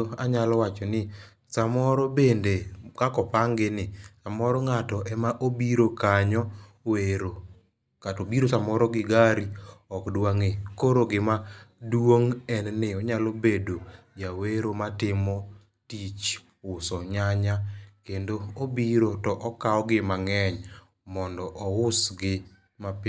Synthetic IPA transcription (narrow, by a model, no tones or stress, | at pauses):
oaɲalɔwat͡ʃɔnɪ | samɔɾɔbendekakɔpaŋɡɪnɪsamɔɾɔŋatɔʔɛmaʔobiɾokaɲɔ | weɾo | katobiɾosamɔɾɔɡɪɡaɾiɔkdwaŋekoɾoɡɪmadwoŋɛnnɪɔɲalobedojaweɾomatɪmɔ | tit͡ʃ | ʊsɔɲaɲakendoobiɾotɔʔɔkaɔɡɪmaŋɛɲ | mɔndɔʔɔʊsɡɪ | map